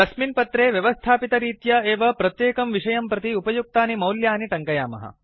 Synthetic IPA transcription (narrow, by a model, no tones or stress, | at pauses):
d̪ɐksminpɐt̪ɾeːʋjɐʋɐst̪ʰaːpit̪ɐɾiːt̪jɐeːʋɐpɾɐt̪jeːkɐmʋiʂɐjɐmpɾɐt̪iupɐjuk̚t̪aːnimɐwljaːniʈɐŋkɐja̰ːmɐ̰ɦɐ̰